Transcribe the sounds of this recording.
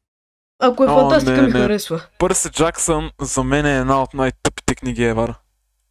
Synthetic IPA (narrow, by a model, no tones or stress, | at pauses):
akoɛoɐasnɛinɛɐɾɛsvɐpɤɾsɛd͡ʒaksənzɐmɛnɛːd̪naot̪najt̪ɤpi̥t̪ɛkniɡʲiɛvaɾ